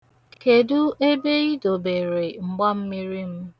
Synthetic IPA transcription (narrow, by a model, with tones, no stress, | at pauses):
ke˨du˦ʔe˦be˦i˦do˨be˨ɾe˨ŋ͡m̩˨ɡ͡ba˦m̩˦mi˦ɾi˦m̩˦